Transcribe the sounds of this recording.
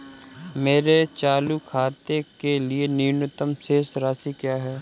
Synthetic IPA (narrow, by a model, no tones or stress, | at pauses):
meːɾet͡ʃaːlukʰaːt̪ekelieniːnʊt̪əmseːsɾaːsikjaːɦɛː